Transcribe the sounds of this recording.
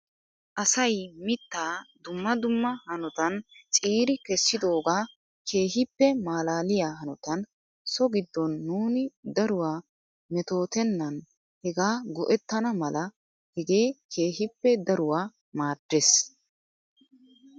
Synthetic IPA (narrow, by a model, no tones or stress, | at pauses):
ʔɐsɐjmɪt̪ːaːd̪ʊmːɐd̪ʊmːɐhɐnɔt̪ɐnt͡sʼiːɾɪkɛsːɪd̪o̞ːɡaː | kʰe̞ːɦɪpːɛmaːlaːlɪjaːɦɐnɔt̪ɐn | sɔɡɪd̪ːɔnːuːnɪd̪ɐɾʊwaː | mɛt̪o̞ːt̪ɛnːɐn | hɛɡaːɡɔʔɛt̪ːɐnɐmɐlɐ | hɛɡe̞ːkʰe̞ːɦɪpːɛd̪ɐɾʊwaː | maːd̪̥ːes